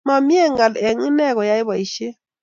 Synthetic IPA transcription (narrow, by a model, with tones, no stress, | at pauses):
ma˨mi˦ɛ˦˨ŋa˨lɛ˨ŋi˦nɛ˦˨ɣɔ˨ja˦ɪ˦βa˨i˨ʃe˦